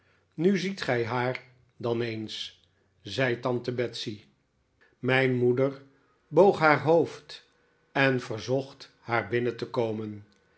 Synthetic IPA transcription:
nyzitχɛjɦaːɹ | dɑnejns | zɛjtɑntəbɛtsi | mɛjnmudəɹ | bowχɦaːɹɦowft | ɛnvəɹzɔχt | haːɹbɪnətəkowmən

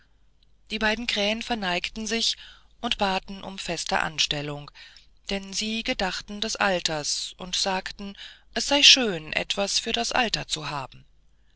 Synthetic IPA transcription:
d̥iːbaɪdn̩kʁ̥ɛːənfɛɐnaɪktn̩zɪçʔʊntb̥aːtn̩ʔʊ̰mfɛstə̰ʔa̰nʃtɛlʊŋ | d̥ɛnziːɡədaχtn̩dɛsʔa̰ltɐsʔʊntz̥aːktn̩ʔɛsz̥aɪʃøːnʔɛ̰tv̥asfyːɐdasʔa̰ltɐt͡suɦaːbm̩

